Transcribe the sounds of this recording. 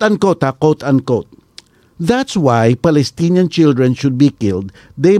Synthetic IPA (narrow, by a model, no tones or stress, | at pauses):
ɐ̃nkot̪akot̪ɐ̃nkot̪̚ | ðat̪swajpalɛst̪injãnt͡ʃɪld̪ɹɛ̃nʃʊd̪̚bikɪld̪ː | ej